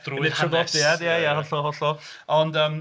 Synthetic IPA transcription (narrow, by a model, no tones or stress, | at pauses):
nɛtʰɔɡɔd̥iadjajahɔɬɔhɔɬɔ | ɔndəːm